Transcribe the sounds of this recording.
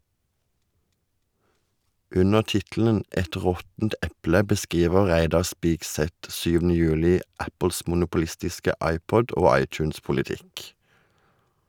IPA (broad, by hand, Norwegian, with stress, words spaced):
ˈʔʉnəʁ ˈtɪtl̩ən ˈʔɛt ˈʁɔtn̩t ˈɛplə bəˈskʁiːʋəʁ ˈʁæɪdɑʁ ˈspɪkˌsɛt ˈsʉːʋn̩ə ˈjʉːlɪ ˈʔæpəls mʊnʊpʊˈlɪstɪskə ˈɑɪpɔd ˈoː ˈɑɪˌt͡ʃʉːnspʊlɪˌtɪk